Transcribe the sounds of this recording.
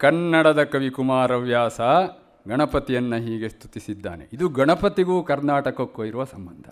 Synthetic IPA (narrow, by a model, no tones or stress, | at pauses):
kɐnːɐɽɐd̪ɐkɐʋikumaːɾɐʋjaːsɐ | ɡɐɳɐpɐt̪ijɐnːɐɦiːɡe̞st̪ʰu̥t̪isid̪ːa̰ːnḛid̪uɡɐɳɐpɐt̪iɡuːkɐɾnaːʈɐkɐkːoiɾuʋɐsɐmbɐnd̪ʱɐ̰